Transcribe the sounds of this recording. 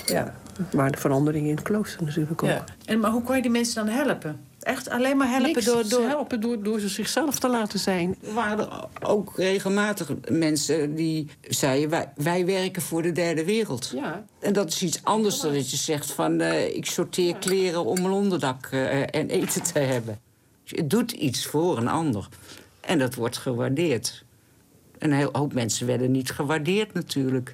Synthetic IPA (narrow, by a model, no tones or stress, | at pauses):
ja̰ʋaːdəfəɾɑndəɾɪŋəɪndəkloːstərnatyːləko | ɛnmaɦukɔnjədimɛnsədɔnɦɛlˠəpə | ʔɛxta̰leːnmaɦɛəpəddɦɛlˠpədʊːsəsɪxsɛlˠftəlaːtəzɛjnəʋaːrədə̰o̰ːkreːɣəlˠmaːtəxmɛnsədi | z̥ɛjəʋɛʋɛjʋɛrkənv̥ʊːrdədɛrdəʋɪːrəlˠt | ɛndɑtɪ̥sisɑndəɹsdɔdɑtjəzɛχtfɑnɪ̰ksoɹtɪːɹklɪːrəɔmənɔndəɹdɑkɛnʔejtətʰəɦɛbə | ə̰dutʰḭtsfʊːrənɑ̰ndəɹ | ʔɛ̰ndɑtʋɔɹtχəʋaɹdɪːɹt | ənɦɦowpmɛnsəʋɛɹdənitχəʋaɹdɪːɹtnatʰyːɹlək